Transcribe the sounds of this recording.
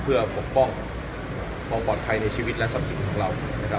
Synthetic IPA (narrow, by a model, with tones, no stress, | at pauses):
pʰɯ˥˩ɐpʰo˨˩k̚pɔ˥˩ŋ | pʰɔː˧pɔː˨˩t̪̚pʰa˧jna˧jt͡ɕʰi˧wi˦˥t̪̚lɛ˦˥sa˦˥p̚si˨˩˦nkʰɔː˨˩˦ŋɾa˧wnna˦˥kʰa˦˥